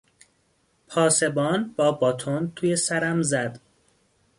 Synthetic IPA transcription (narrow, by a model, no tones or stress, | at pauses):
pʰɒːse̞bɒːnbɒːbɒːt̪ʰont̪ʰuːjesæɾæmzæd̪̥